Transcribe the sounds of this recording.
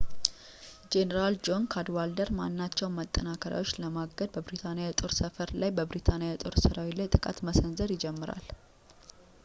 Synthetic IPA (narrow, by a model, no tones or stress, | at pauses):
d͡ʒenəɾald͡ʒo̞nkʰad̪wald̪əɾmanːat͡ʃːɛwmət̪ʼːənakʰəɾja̰wot͡ʃːləmaɡəd̪̚bəbɾit̪ʰanejat̪ʼo̞ɾsəfəɾlajbəbɾit̪ʰanejat̪ʼo̞ɾsɨɾawilajt̪ʼɨkʼa̰t̪məsənzəɾjɪd͡ʒɛmːɨɾa̰l